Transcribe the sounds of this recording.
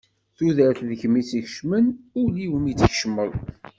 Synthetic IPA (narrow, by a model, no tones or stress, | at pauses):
θuðəɾθðəçmit͡siçʃmənʊɾliwənjit͡sːəç̥ʃəmːəðˤ